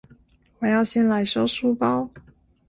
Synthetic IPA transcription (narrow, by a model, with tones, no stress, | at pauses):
wɔ˨˩jɑ˥˧ʊɕjɛ˥˩nla˧˥ɪʂo˥ʊʂu˥˩pɑ˥ʊ